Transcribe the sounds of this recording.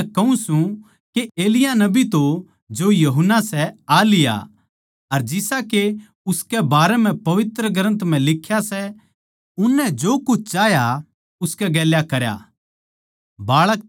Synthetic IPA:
kɐũsũ | keʔeːlɪjanɐbit̪o | d͡ʒojɐɦʊnːasɛaːlɪja̰ | ɐɾd͡ʒɪsake | ʊskɛbaːɾɛm̤ɛ̃pɐʋɪt̪ɾəɡʱɾə̃nt̪m̤ɛ̃lɪkʰːjasɛ | ʊnːɛd͡ʒoːkʊt͡ʃʰt͡ʃaːja | ʊskɛɡɛːljakɐɾja̰ | baːɭək

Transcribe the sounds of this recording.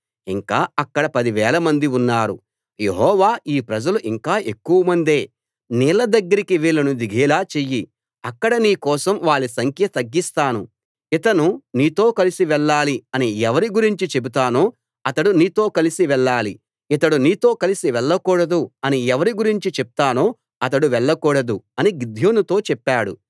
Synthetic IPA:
iŋkaːɐkːɐɽɐpɐd̪iʋɛːlɐmɐnd̪iunːaːɾṵ | je̞̰ɦɔːʋaːiːpɾɐd͡ʒɐluʔiŋkaːʔe̞kːuʋɐmɐnd̪e̞ː | nɛːlɐd̪ɐɡːɐɾikiʋiːlɐnud̪iɡʱɛːlaːt͡ʃeːji | ɐkːɐɽɐniːkɔːsɐmʋaːɭːisɐŋkʰjɐt̪ɐɡːist̪aːnu | it̪ɐnuniːt̪o̞ːkɐlisiʋɛɭːaːliɐniɛʋɐɾiɡuɾiɲt͡ʃit͡ʃe̞but̪aːno̞ː | ɐt̪ɐɽuniːt̪o̞ːkɐlisiʋɛɭːaːli | it̪ɐɽuniːt̪o̞ːkɐlisiʋɛɭːɐkuːɽɐd̪uɐniɛʋɐɾiɡuɾiɲt͡ʃit͡ʃeb̚u̥t̪aːno̞ː | ɐt̪̬ɐɽuʋɛɭːɐkuːɽɐd̪uɐniɡid̪ʱjoːnut̪o̞ːt͡ʃɛpːaːɽṵ

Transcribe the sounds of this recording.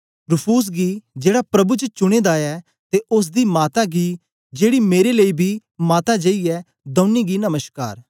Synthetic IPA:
ɾʊpʰuːs̬ɡid͡ʒeːɽapɾɐbut͡ʃət͡ʃʊɽ̃eːd̪aːɛː | t̪eʔʊs̬d̪iːmaːt̪aɡiː | d͡ʒeːɽimeːɾeleibʱiːmaːt̪ad͡ʒɐiɛ | d̪ɐ̃ːniɡinɐməʃka̰ːɾ

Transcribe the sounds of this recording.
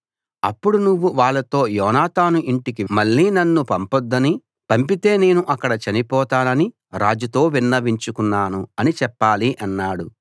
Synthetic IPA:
ɐ̰pːuɽunuʋːuʋaːɭːɐt̪o̞ːjɔːnaːt̪aːnuʔiɳʈikimɐɭːiːnɐnːupɐmpɔd̪ːɐni | pɐmpit̪e̞ːne̞ːnuʔɐkːɐɽɐt͡ʃɐnipɔːt̪aːnɐni | ɾaːd͡ʒut̪o̞ːʋinːɐʋiɲt͡ʃukunːaːnuɐnit͡ʃɛpːaːliʔɐnːaːɽu

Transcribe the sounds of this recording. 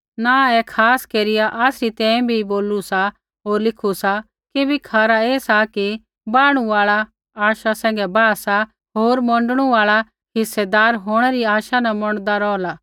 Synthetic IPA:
naɛkʰaːskeːɾɪjaʔaːsɾit̪ɛ̃ːĩbʱiboːlusa | ɦoːɾlɪkʰusa | kibʱikʰaːɾaeːsaki | baːɽ̃uaːɭa | aːʃasɛ̃ːŋɡɛbaːsa | ɦoːɾmɔ̃ɳɖəɽ̃uaːɭa | ɦɪsːɛd̪aːɾɦoːɽ̃ɛɾiaːʃanamɔɽ̃d̪aɾɔːlaː

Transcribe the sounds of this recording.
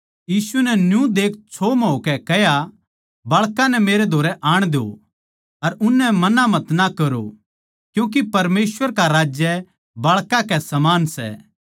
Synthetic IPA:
jiːsunɛnjũd̪eːk̚ʰt͡ʃʰomɦoːkɛkɛɦja | bɐɭkãnɛmeːɾed̪ʱoːɾɛʔaːɽ̃d̪eo̰ | ɐɾʊnːɛmɐnamɐt̪nakɐɾo̰ | kjũːk̬ipɐɾmeːsʋəɾkaɾaːd͡ʒjɛ | bɐɭkãkɛsɐmaːnsɛ̰ː

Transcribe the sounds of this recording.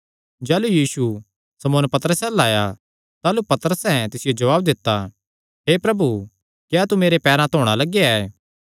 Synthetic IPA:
d͡ʒɛːlujiːsu | sɐmoːnpɐt̪əɾəsɛ̃laːja | t̪aːlupɐt̪əɾəsɛ̃t̪ɪsɪjod͡ʒɐʋaːbd̪ɪt̪ːa | ɦeːpɾɐbu | kjaːt̪umeːɾepɛːɾãt̪ʰoːɽ̃alɐɡeaɛ

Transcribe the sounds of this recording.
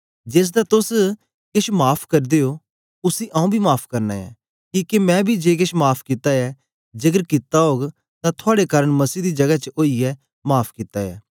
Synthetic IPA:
d͡ʒeːs̬d̪aːt̪ʊs | kɪʃmaːpʰkɐɾd̪eːo | ʊsĩːʔãːũbʱimaːpʰkɐɾna̰ːja̰ː | kiːkemɛ̃ːbʱid͡ʒeːk̬ɪʃmaːpʰkɪt̪ajɛː | d͡ʒɐɡəɾkɪt̪aɦoːɡ | t̪ãt̪ʰʊaːɽekaːɾəɽ̃mɐsiːd̪iːd͡ʒɐɡat͡ʃəoːiɛː | maːpʰkɪt̪ːaja̰ː

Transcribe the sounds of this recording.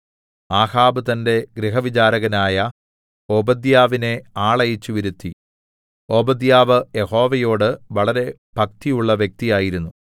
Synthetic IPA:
aːhaːbɨt̪ɐnde̞ɡɾiɦɐʋit͡ɕaːɾɐɣɐnaːjɐ | o̞ːbɐd̪jaːʋine̞aːɭɐjit͡ɕːuʋiɾut̪ːi | o̞ːbɐd̪jaːʋɨjeho̞ːʋɐjo̞ːɽɨʋɐɭɐɾe̞ | b̥ʱɐk̚t̪ijuɭːɐʋjek̚t̪ijaːjiɾunːu

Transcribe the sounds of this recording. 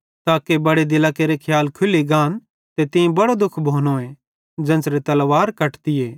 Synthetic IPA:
t̪aːkebɐɽed̪ɪlaːkeɾekʰjaːlkʰʊliɡaːn | t̪et̪ɪĩbɐɽod̪ʊkʰbʱoːnoẽ | d͡ʒɐ̃nsɾet̪ɐlʋaːɾkɐʈt̪ɪeː

